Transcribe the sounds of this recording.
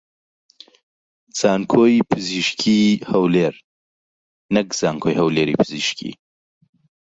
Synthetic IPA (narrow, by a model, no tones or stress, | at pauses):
z̥aːnkʰoːjpʰɨziʃkʰiːhɐwleːɾ | nɐkz̥aːŋkʰojɦɐwleːɾḭːpʰɨziʃkʰḭ